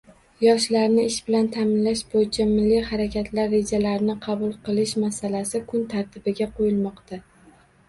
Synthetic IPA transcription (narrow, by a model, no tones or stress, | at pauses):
jɒʃlaɾnɪɪʃbɪlant̪ʰamɪnlaʃbojɪt͡ʃʰamɪlːijhaɾakʲat̪ʰlaɾːe̞d͡ʒalaɾnɪqʰɑbʊlˠqɨlˠɪʃmasalasɪkʰʊnt̪ʰaɾt̪ʰɪbɪɡʲaqʰojɪlˠmɒqt̪ʰa